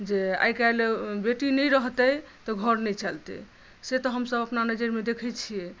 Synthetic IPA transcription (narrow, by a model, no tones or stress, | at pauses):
d͡ʒea̰jkalebeʈinɛjɾəɦt̪əj | t̪ɔɡʱəɾnɛt͡ʃalt̪ɛ̰ | set̪ɔɦəmsəbəpnanəd͡ʒəɾmed̪ekʰɛjt͡ʃʰijɛ